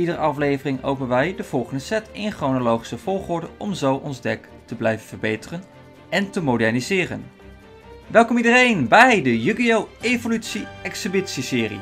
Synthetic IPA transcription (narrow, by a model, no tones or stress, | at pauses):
idəɾəɑflejvərɪŋo̰wp̬ənʋɛjdəv̥ɔlˠχəndəsɛtɪnχrownolowχi̥səv̥ɔlˠχʊɹdəɔmzowʔɔnzdɛk | təblɛjvənvərbejtərən | ɛntəmodɛɹnizɪːrə̰n | ʋɛlˠkɔmidərejnbɛjdəjyɡiowevolytsiɛksəbɪtsisɪːrḭ